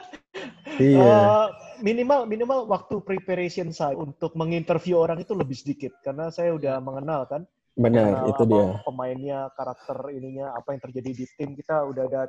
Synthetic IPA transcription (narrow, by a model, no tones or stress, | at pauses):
iaəminimalminimalwak̚t̪upɾipeɾesiənsaunt̪ʊk̚məŋint̪ərfjuoɾaŋit̪uləbɪhsədikɪt̪̚karnasajaudahməŋənalkan | bənərḭt̪udiapəmaɪnɲakaɾak̚t̪əriniɲaːpajaŋt̪ərd͡ʒadidit̪ɪmkit̪audahda